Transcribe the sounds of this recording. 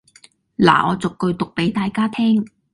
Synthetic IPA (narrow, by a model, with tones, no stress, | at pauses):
la̰ː˨˩ʔɔ̰ː˨˧t͡sʊ˨kːɵ˧ɥt̪ʊ˨k̚pe˨˥jt̪aː˨jkaː˥t̪ʰɛː˥ŋ